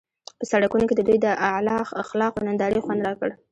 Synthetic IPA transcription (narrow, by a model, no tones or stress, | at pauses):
pəsaɽakunoked̪əd̪ujd̪əʔalɑxaxlɑqonand̪ɑɽəjxwand̪ɾɑkəɽ